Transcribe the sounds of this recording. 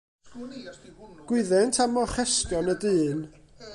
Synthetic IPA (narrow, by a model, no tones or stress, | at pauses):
ɡ̥wɪðɛntʰamɔχɛskjɔnədɨːn